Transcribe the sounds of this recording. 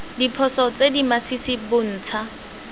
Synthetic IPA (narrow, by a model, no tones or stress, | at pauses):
dipʰɔsɔt͡sedimasisɪbʊn̩ːt͡sʰa